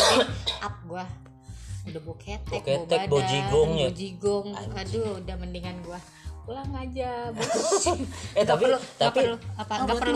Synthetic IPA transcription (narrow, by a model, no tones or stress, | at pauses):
ap̚ɡua | udabokɛt̪̚boket̪ɛkbod͡ʒiɡɔŋjad͡ʒiɡɔŋadudahməndiŋanɡua | kulaŋad͡ʒab | ɛt̪apilot̪apiaaɡapə